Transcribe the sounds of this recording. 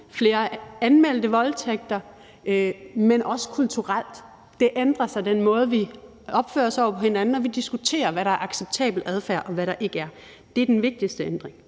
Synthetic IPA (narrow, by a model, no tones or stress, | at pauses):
fle̝ːɐænmel̰d̥əʋɒ̽lt͡sʰeɡ̥̚d̥ɐ | menʔɒ̽sə̥kʰult͡sʰuʁal̰d̥ː | e̝ʔend̥ʁɐsɑ̈ɪd̥enmɔ̽ːð̞̩ˠʋi | ɒ̽b̥fø̰ːɐsɒʊ̰ɐpʰɒ̽he̝nænn̩ɒ̽ʋid̥isɡ̥ut͡sʰe̝̰ːɐʋæɾɑ̈æɐɑ̈ɡ̥seb̥̚t͡sʰɛ̰ːb̥l̩æð̞ˠfæɐ̰ʔɒ̽ʋæɾɑ̈ʔe̝ɡ̥əæɐ | d̥eæɐd̥enʋe̝ɡ̥̚d̥isd̥əend̥ʁeŋ